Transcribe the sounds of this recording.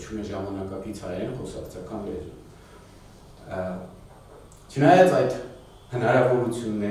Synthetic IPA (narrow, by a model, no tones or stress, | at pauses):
t͡ʃʰumɛʒɑmɑnɑkɑkit͡sʰhɑjɾɛnχɔsɑkt͡sʰjɑkɑnlɛ̰ɾ | t͡ʃʰənɑjɑt͡sɑjd̪ | hənɑɾɑvɔɾut͡sʰjunːɛ